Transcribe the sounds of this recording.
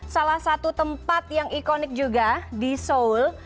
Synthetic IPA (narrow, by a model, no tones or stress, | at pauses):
salahsat̪ut̪əmpat̪̚jaŋikonɪk̚d͡ʒuɡadisoul